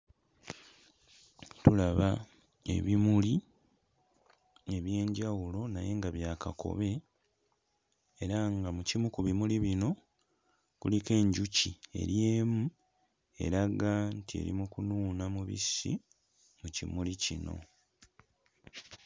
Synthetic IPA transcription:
tulaβa | e̞̰βimuli | e̞βje̞ːɲɟawulo̞naje̞ŋɡaβjaːkako̞̰βe̞ | ɾaŋɡamucimukuβimuliβino̞ | kulike̞ːɲɟucie̞̰ɾjeːmu | e̞̰ɾaɡaːntiḛɾḭmukunuːnamuβḭsḭ | mucimulicino̞̰

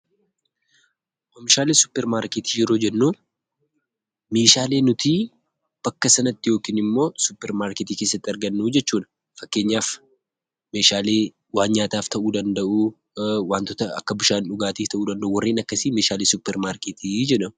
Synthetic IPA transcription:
ʔɔmɪʃaːleːsʊ̥pːɛɾmaːɾket̪i̥ːd͡ʒɛɾo̞ːd͡ʒɛnːuː | me̞ːʃaːle̞ːnʊt̪i | b̥ɐkːɐsɐnɐt̪ːɪjo̞ːkiːnɪmːo̞ːsʊpːɛɾmaːɾket̪iːkeːsːɐt̪ːɪɐɾɡɐnːuːd͡ʒɛt͡ʃːuːᶑɐ̥ | fɐkːe̞ːɲːaːf | me̞ːʃaːleː | waːnɲaːt̪aːft̪ɐʔuːd̪ɐnd̪ɐʔu | waːnt̪ɔt̪ɐɐkːɐbɪʃaːnᶑʊɡaːt̪iːft̪ɐʔuːd̪ɐnd̪ɐʔʊwɐrːiːnɐkːɐsiːme̞ːʃaːlesʊpːɛɾmaːɾkeːt̪iːd͡ʒɛᶑɐm

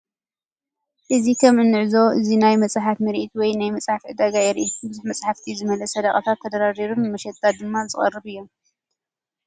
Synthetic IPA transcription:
ʔɨzikʰɐmɨnːɨʕzo̞ʔɨzinajmɐt͡sʼħat̪mɨɾʔit̪wɔjnajmɐt͡sʼħafʕɨd̪aɡajɛɾʔit̪bɨzuħmɐt͡sʼħaft̪ʰizɨmɐlɐsɐd̪ɐχʼɐt̪ʰat̪ʰːɐd̪ɐɾaɾiɾumɨmɐʃɛt̪ʼːad̪ɨmːat͡sʼɨχʼɐ̰rːɨβɨjːom

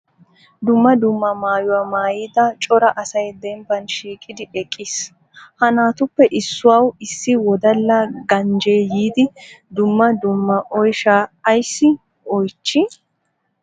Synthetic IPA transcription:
d̪ʊmːɐd̪ʊmːɐmaːjʊwamaːjiːd̪ɐt͡ʃʼɔɾɐʔɐsɐjd̪ɛmbɐnʃiːkʼɪd̪ɪʔɛkʼːiːs | hɐnaːt̪ʊpːɛʔɪsːʊwaːwɪsːɪwɔd̪ɐlːɐɡɐnd͡ʒeːjiːd̪ɪd̪ʊmːɐd̪ʊmːɐʔɔjʃaːjsːɪ | ɔjt͡ʃːɪ

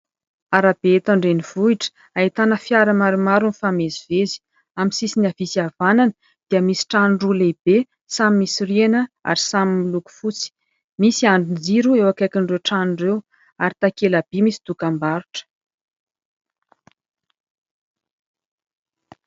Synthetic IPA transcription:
aɾab̥eet̪aɳɖ͡ʐeniv̥uiʈ͡ʂə̥ | ait̪anəfjaɾəmaɾumaɾunifamezivezi̥ | aminsisiniavisiavananə | d̪̥iəmisi̥ʈ͡ʂanɖ͡ʐuleib̥e | samimisirienəa̰ɾisamimiluku̥fut͡si̥ | misiaɳɖ͡ʐund͡ziɾuewakajkʲiɳɖ͡ʐewʈ͡ʂanɖ͡ʐew | aɾit̪akelab̥imisi̥d̪̥ukambaɾu̥ʈ͡ʂə̥

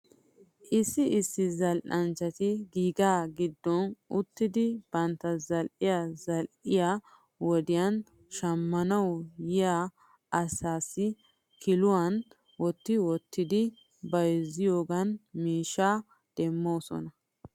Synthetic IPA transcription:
ʔɪsːɪɪsːɪzɐlʔɐnt͡ʃːɐt̪ɪɡiːɡaːɡɪd̪ːɔnʊt̪ːɪd̪ɪb̥ɐnt̪ːɐzɐlʔɪjazɐlʔɪja | wɔd̪ɪjɐn | ʃɐmːɐnɐwjɪja | ʔɐsaːsɪ | kʰɪlʊwɐn | wɔt̪ːɪwɔt̪ːɪd̪ɪ | bɐjzɪjoːɡɐnmiːʃːaː | d̪̥ɛmːoːsɔ̰nɐ

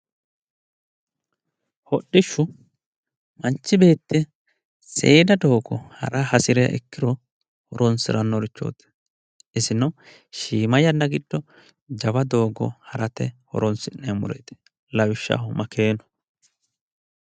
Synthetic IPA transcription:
hɔɗːɪʃːʊ | mɐnt͡ʃːɪbe̞ːt̪ːɪ | seːd̪ɐd̪o̞ːɡɔhɐ̰ɾɐhɐsɪɾɛjɐ̰ʔɪkːɪɾɔ | hɔɾɔnsɪ̰ɾɐnːɔɾɪt͡ʃːo̞̰ːt̪ːɛ̥ | ɪsɪnɔ | ʃiːmɐjɐnːɐɡɪd̪̥ːɔ | d͡ʒɐbɐd̪o̞ːɡɔ̰hɐɾɐt̪ɛhɔ̰ɾɔnsɪnɛmʊ̰ɾɛ̰t̪ɛ̥ | lɐwɪʃːɐ̰hʊmɐkʰe̞ːnɔ̥

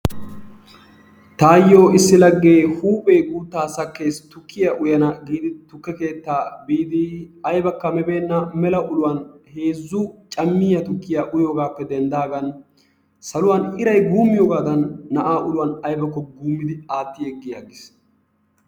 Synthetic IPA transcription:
t̪aːjːo̞ːɪsːɪlɐɡːe̞ːhuːpʼejɡuːt̪ːaːsɐkːe̞ːst̪ʊkʰːɪjaʔʊjɐnɐɡiːd̪ɪt̪ʊkːɛke̞ːt̪ːaːbiːd̪ɪɐjbɐkːɐmɛbe̞ːnːɐmɛlɐʔʊlʊwɐnhe̞ːzːʊt͡ʃʼɐmːɪjɐt̪ʊkːɪjaʔʊjoːɡaːpːɛd̪ɛnd̪aːɡɐn | sɐlʊwanɪɾɐjɡuːmːɪjoːɡaːd̪ɐnːɐʔaːʔʊlʊwɐnɐjbɐkːɔɡuːmːɪd̪ɪaːt̪ːɪjɛɡːɪjaːɡɪs

